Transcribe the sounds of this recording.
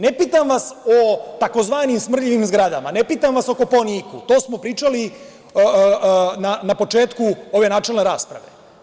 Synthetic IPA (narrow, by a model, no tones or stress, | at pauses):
nepiːt̪amʋasot̪akozʋaːnimsmr̩ʎiʋimzɡɾad̪amanepiːt̪amʋaso̞koponikut̪oːsmo̞pɾiːt͡ʂali | nanapo̞t͡ʂe̞ːt̪kuo̞ʋe̞naːt͡ʃe̞lne̞ɾaːspɾa̰ʋe̞̰